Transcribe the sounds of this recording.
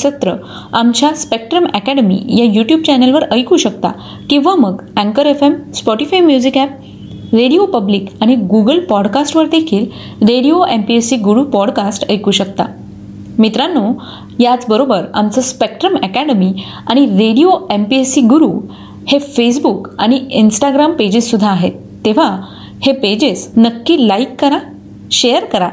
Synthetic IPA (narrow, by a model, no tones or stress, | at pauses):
sət̪ɾə | amt͡ɕjaspek̚ʈɾəmækæɽəmḭjajuʈjuːb̚t͡ɕɛnəlʋəɾəjkuɕək̚t̪a̰ | kĩʋaməɡæ̃ŋkəɾefemspɔʈifajmjud͡zikæp̚ | ɾeɽijopəbliːkaɽ̃iɡuɡəlpɔɽkasʈʋəɾd̪ekʰiːl | ɾeɽijoʔempiesiɡuɽupɔɽkasʈəjkuɕəkt̪a̰ | mit̪ɾanːu | jat͡sbəɾobəɾa̰mt͡səspek̚ʈɾəmɛkæɽəmi | aɽ̃iɾeɽioempiesiɡuɾuː | hefes̬bukaɽ̃iinsʈaɡɾamped͡ʑisːud̪ʱːaːɦet̪ːeʋ̤a | heped͡ʑisnəkːiːlaikːəɾa | ɕejəɾkəɾa